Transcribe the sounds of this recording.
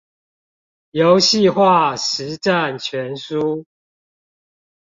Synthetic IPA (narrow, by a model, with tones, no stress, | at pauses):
jo˨˦ʊɕi˥˨xwa˥˨ʂɻ̩˨˦ʈ͡ʂa˥˨nt͡ɕʰɥɛ˨˦nsu˦